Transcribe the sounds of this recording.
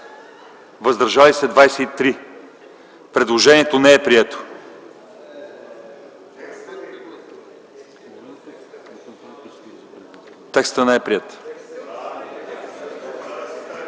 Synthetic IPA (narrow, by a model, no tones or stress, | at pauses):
vəzd̪əɾʒalisɛd̪vajsɛit̪ɾi | pɾɛd̪lˠoʒɛniɛt̪onɛɛpɾiɛt̪o̥ | t̪ɛkst̪ənɛɛpɾiɛt̪